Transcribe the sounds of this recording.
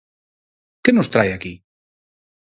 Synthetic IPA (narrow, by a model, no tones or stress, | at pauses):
kenost̪ɾajaki